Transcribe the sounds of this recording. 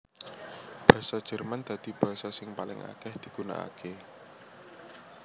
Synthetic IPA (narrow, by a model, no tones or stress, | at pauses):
b̥a̤ɦsḁd͡ʒ̥ərmand̪a̤d̪̥ib̥aɦsasɪŋpalɪ̰ŋʔa̰kɛhd̪̥i̤ɡ̥una̰a̰kʰe